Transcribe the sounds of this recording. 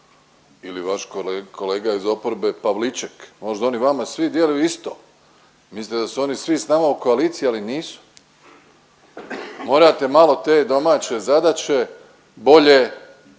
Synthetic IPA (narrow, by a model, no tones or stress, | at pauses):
iliʋaʃkolkʰoleːɡaizo̞poɾbe̞paʋlit͡ʃekmo̞ʒd̪ao̞niʋamasʋid̪jelejuist̪o̞̰ | misit̪ed̪asuo̞nisʋisnaːmauko̞aliːt̪siialiniːsu̥ | mo̞ːɾat̪e̞malo̞t̪e̞ːd̪o̞maːt͡ɕe̞zad̪at͡ɕe̞ | bo̞ʎe